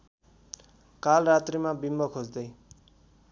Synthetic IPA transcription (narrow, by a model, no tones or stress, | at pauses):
kalrat̪rimabimbʌkʰod͡zd̪ʌj